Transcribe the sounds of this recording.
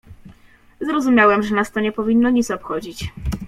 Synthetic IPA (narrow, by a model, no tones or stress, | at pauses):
zɾɔzumʲjawɛmʐɛnast̪ɔɲɛpɔvʲinːɔɲit̪sɔpxɔd͡ʑit͡ɕ